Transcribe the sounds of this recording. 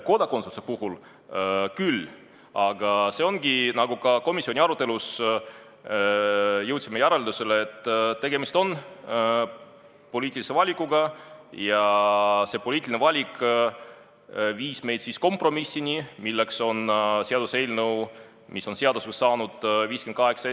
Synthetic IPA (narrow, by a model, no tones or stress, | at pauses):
ko̞d̪̥ɑko̞nsusepuhul | kylː | ɑɡ̥ɑse̞o̞nɡ̥inɑɡukɑko̞misːio̞nʲiɑɾut̪ːˑelus | jɤwt̪ʲsimejæɾeld̪useleːt̪ːt̪ːe̞ɡ̥e̞mist̪o̞n | po̞liːt̪ʲːˑilise̞vɑlʲikˑːuɡ̥ɑjɑse̞ːpo̞liːt̪ːˑilʲinvɑlʲik | viːsme̞jd̪sisko̞mpro̞misːinimilːe̞kso̞nseɑd̪use̞jlnew | miso̞nseɑd̪usesɑːnud̪̥viːskenkɑɦe̞ksɑ